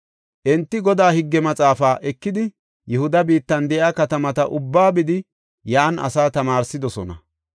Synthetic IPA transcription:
ʔɛnt̪ːɪɡɔd̪aːhɪɡːɛmɐt͡sʼaːfaːʔɛkːɪd̪ɪ | jɛhʊd̪ɐbiːt̪ːɐnd̪ɛʔjaːkɐt̪ɐmɐt̪ɐʔʊbːaːbɪd̪ɪ | jaːnʔɐ̰saːt̪ɐmaːɾsɪd̪ɔsɔnɐ̰

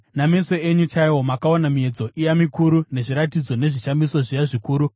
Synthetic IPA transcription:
name̞so̞e̞ɲut͡ʃaiwo̞makaonamie̞d͡zo̞ʔijamikuɾune̞ʐiɾatid͡zo̞ne̞ʐiʃamiso̞ʐijaʐikuːɾu

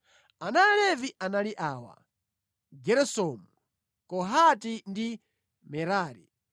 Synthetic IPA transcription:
anaɛlɛviʔanaliʔaːwa̰ | ɡɛɾɛsɔmu | kɔɦatindi | mɛɾaːɾḭ

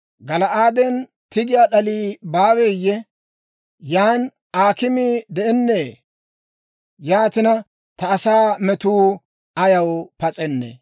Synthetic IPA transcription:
ɡɐlɐʔaːd̪ɛn | t̪ɪɡɪjaɗɐliːbaːweːjːɛ | jaːn | aːkɪmiːd̪ɛʔɛnːeː | jaːt̪ɪnɐ | t̪ɐːsaːmɛt̪uː | ɐjɐwpɐt͡sʼɛnːɛ̰

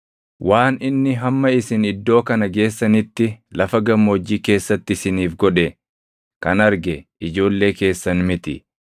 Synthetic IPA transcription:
wʔaːnɪnːɪɦɐmːɐɪsɪnɪd̪ːo̞ːkɐnɐɡe̞ːsːɐnɪt̪ːɪlɐfɐɡɐmːo̞ːd͡ʒːiːke̞ːsːɐt̪ːɪɪsɪniːfɡɔᶑɛ | kɐ̰nɐɾɡɛɪd͡ʒo̞ːlːe̞ːke̞ːsːɐnmɪt̪ɪ̰

